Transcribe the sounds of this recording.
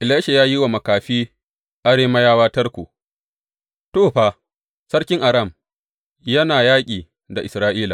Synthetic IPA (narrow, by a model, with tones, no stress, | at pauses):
ʔɪ˨laː˦ʃe˨jaː˦ji˦wa˨mɐ˨kaː˨ɸiː˦ | ʔa˦ɽeː˦mɐ˦jaː˦waː˦tɐ˦rkʷu˨ | toː˦˨ɸaː˨ | sɐ˦ɽkʲɪ˦ŋʔa˨ɾɐ˦˨m | jɐ˦naː˨jaː˦kʲʼiː˨ | da˨ʔɪ˨sɾaː˦ʔiː˦la˨